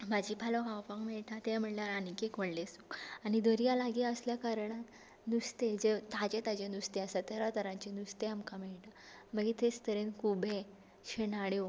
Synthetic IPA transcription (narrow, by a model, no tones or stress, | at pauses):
mad͡ʑipalɔɦawpãŋmeɭʈ̪at̪ẽm̤əɽnaɾanikekəɽlesukañid̪əɾijalaɡiəsljakaɾɳat̪ | nust̪ed͡ʑet̪ad͡ʑet̪ad͡ʑenust̪easat̪eɾat̪əɾãɲt͡ɕenust̪eamkamɛɭʈ̪aməɡet̪est̪əɾenkʰubʱe | ɕenaɽjo